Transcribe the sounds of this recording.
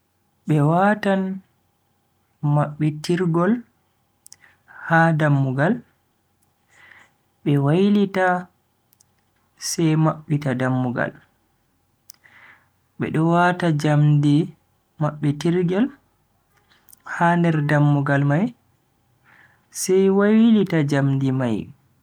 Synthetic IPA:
ɓɛwaːtan | maɓːɛtiɾɡɔl | hadamːuɡal | ɓɛwajlita | sɛjmaɓːitadamːuɡa̰l | ɓɛ̰ɗɔwatad͡ʒamdi | maɓːɛtiɾɡɛl | handɛɾdamːuɡalmaj | sɛjwajlitad͡ʒamdimaj

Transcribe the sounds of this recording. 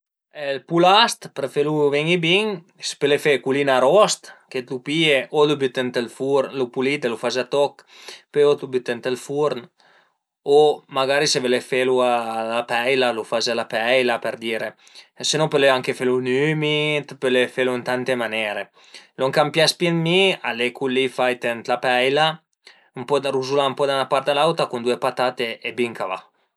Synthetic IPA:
ɛlpulast̪pɾefeluvɛŋibiŋ | se̥pelefekulinaɾɔst̪ket̪lupieʔolubyt̪ent̪elfuɾlupulit̪elufazat̪ɔkpeot̪lubyt̪ent̪elfuɾn | omaɡaɾisevelefelualapɛjlalufazalapɛjlapeɾd̪iːɾe | senɔ̃peleaŋkefelunymit̪pelefeluint̪ant̪emanɛːɾe | loŋkampjaspjɛnmialekʰulːifajt̪ɛnt̪lapɛjla | mpɔd̪ɾuzulaumpɔd̪anapaɾt̪alawt̪akund̪uepat̪at̪eebiŋkava̰

